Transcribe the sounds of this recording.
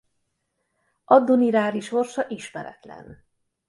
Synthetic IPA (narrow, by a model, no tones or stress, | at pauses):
ʔɒd̪ːoniɾaːɾiʃorʃɒʔiʃmɛɾɛ̰t̪lɛ̰n